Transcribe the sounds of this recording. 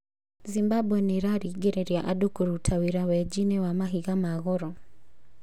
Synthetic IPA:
zimbabwɛniɾaɾiɡɛɾɛɾjaʔadukuɾutʰawiɾawɛd͡ʒinɛwamaɦiɣamaɣɔɾɔ

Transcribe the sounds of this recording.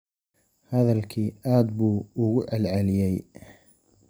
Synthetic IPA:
hɐðɐlkʰiːaːd̪̚buːʊɣʊʕɑlʕɑlɪjɛj

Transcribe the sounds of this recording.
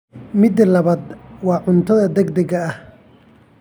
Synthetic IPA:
mɪd̪lɐβɐd̪wɑːʕʊnt̪ʰɐðɐd̪ɛɡd̪ɐɣɐːh

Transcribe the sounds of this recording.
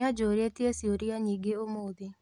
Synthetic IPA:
ad͡ʒoːɾetiesioɾiaɲiːɡeomoːðe

